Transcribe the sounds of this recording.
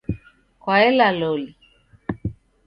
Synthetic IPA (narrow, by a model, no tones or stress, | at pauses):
kwaɛlalɔli